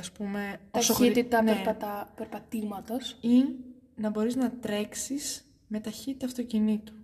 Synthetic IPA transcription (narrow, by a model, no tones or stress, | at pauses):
ɐspume̞ɐsoit̪it̪ɐneɾpɐt̪ɐpeɾpɐt̪imɐt̪osinɐbo̞ɾiznɐt̪ɾe̞ksis | me̞t̪ɐçit̪i̥t̪ɐft̪o̞cinit̪u̥